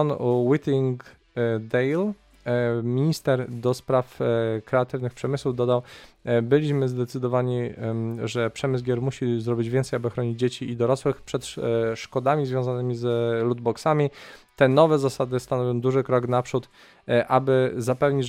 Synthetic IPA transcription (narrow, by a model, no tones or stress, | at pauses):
ɔnwit̪ʲiŋɡ | d̪ɛjl | mʲiɲist̪ɛɾd̪ɔspɾafkɾɛat̪ɘvnɘxpʂɛmɘswuvd̪ɔd̪awbɘlʲiɕmɘzd̪ɛt̪sɘd̪ɔvaɲiʐɛpʂɛmɘzɡʲjɛɾmuɕizɾɔbʲid͡ʑvʲɛnt̪sɛjabɘxɾɔɲid͡ʑd͡ʑet͡ɕiːd̪ɔɾɔswɘxpʂɛt̪ʂkɔd̪amʲizvʲjɔ̃w̃zanɘmʲizlud̪̚bɔksamʲit̪ɛnɔvɛzasad̪ɘst̪anɔvʲjɔ̃w̃d̪uʐɘkɾɔɡnapʂut̪ | ʔabɘzapɛvɲi